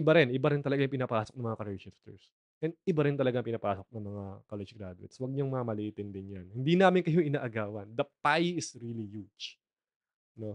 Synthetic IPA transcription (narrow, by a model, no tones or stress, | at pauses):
ʔɪbaɾɪnʔɪbaɾɪnt̪ɐlɐɡajʊŋpɪnɐpaːsok̪̚ɐŋmɐŋakɐɾɛʃɪft̪ɛ̰ɹs | ʔɛnd̪̚ʔɪbaɾɪnt̪ɐlɐɡaŋpɪnɐpaːso̞k̚nɐŋmɐŋakalɛd͡ʒɡɾad̪ʊɪ̰t̪swɐɡ̚ɲoŋmɐŋamɐlɪʔiːt̪ɪnd̪ɪnjɐnhɪnd̪inaːmɪnkɐjo̞ʔɪnaʔɐɡaːwɐnd̪ɐpajɪsɹilijud͡ʒ | no̞